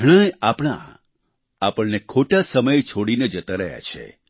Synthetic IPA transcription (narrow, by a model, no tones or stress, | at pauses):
ɽ̃əjapɽ̃a̰ | apəɳnekʰoʈasəməjt͡ʃʰoɽined͡ʒət̪aɾəɦja̰t͡ʃʰḛ